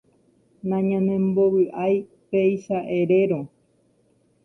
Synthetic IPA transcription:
nãɲãnẽ̞mboβɨʔaj | peiʃaʔeɾe̞ɾõ

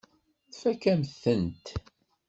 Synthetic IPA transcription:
θfækæmθənt̪

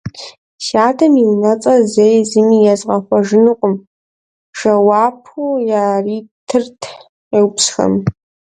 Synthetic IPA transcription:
ɕaːtʰɐmiwnɐt͡sʼɐzejzɨmiːjazqɐxʷɔʒɨnɨqʷʼʊm | ʂɐwaːpʰujaːriːtʰɨrtʰ | ewpsxɐ̰m

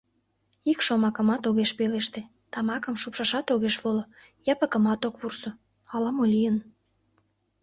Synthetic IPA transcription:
ikʃomɑkə̆mɑt̪oɣeʃpeleʃt̪e | t̪ɑmɑkə̆mʃupʃɑʃɑt̪oɣeʃβolo | jɑpəkə̆mɑt̪okβurso | ɑlɑmolʲijən

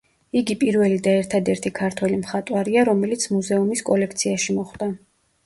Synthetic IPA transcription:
iɡipʼiɾvɛlid̪aɛɾt̪ʰad̪ɛɾt̪ʰikʰaɾt̪ʰwɛlimχat̪ʼwaɾiaɾɔmɛlit̪sʰmuzɛumiskʼɔlɛkʰt̪sʰiaʃimɔχd̪̥a

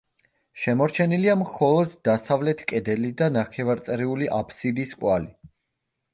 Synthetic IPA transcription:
ʃɛmɔɾt͡ʃʰɛniliamχɔlˠɔd̪ːasavlɛt̪ʰkʼɛd̪ɛlid̪anaχɛvaɾt̪sʼɾiuliʔapʰsid̪iskʼwali

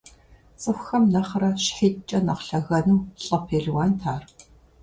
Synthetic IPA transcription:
sʼɨxʷxɐmnɐχrɐɕħiːtt͡ʃʼɐnɐqɬɐɣɐnɨmɬʼɐpʰeːɮwaːntʰaːr

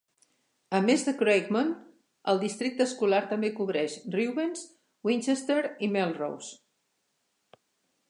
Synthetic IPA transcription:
əmezðəkɾejkmon | əlˠd̪ist̪ɾik̚t̪əskulaɾt̪əmbekuβɾɛʃriwβens | wint͡ʃest̪eɾimɛlˠro̰ws

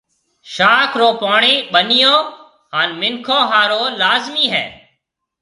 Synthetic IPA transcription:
ʃaːkʰɾoːpaːɳeːɓənɪjõː | ɦaːnmɪŋkʰõːɦaːɾoːlaːzmiːɦɛ̰ː

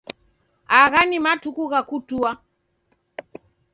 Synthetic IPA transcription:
aɣanimatukuɣakutua

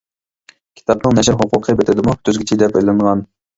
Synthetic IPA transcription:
kʲʰi̥t̪ʰɑpnɨŋnɛʃɪɾɦʊqʰʊqʰəbet̪ʰɪd̪ɪmut̪ʰøzɡʲɪt͡ʃʰid̪ɛpøjlɪŋʁɑn

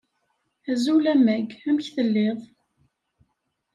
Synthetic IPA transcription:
æzulæmæɡæmçθəlːeðˤ

